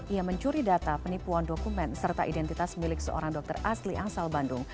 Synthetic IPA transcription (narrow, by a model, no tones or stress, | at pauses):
iaməɲt͡ʃuɾidat̪apənipuandokumɛnsərt̪a̰ʔidɛnt̪it̪asmilɪksə̰ʔo̰ɾaŋdɔk̚t̪ərʔasliʔaŋsalbandʊŋ